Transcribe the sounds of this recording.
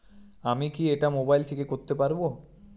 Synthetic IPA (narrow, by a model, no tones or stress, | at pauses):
amikieʈamobajlt̪ʰekekoɾt̪epaɾbo